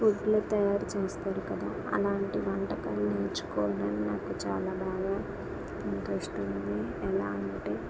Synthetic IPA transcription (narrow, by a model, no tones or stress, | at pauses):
puʈːloːt̪ɐjaːɾut͡ʃe̞ːst̪aːɾukɐd̪a̰ːɐ̰laːɳʈiʋɐɳʈɐkɐlneːɾt͡ʃu̥kɔːʋɐɽɐninaːkut͡ʃa̰ːlaːbʱaːɡaː | inʈ̪ɾesʈund̪i | ɛla̰ːɐɳiʈe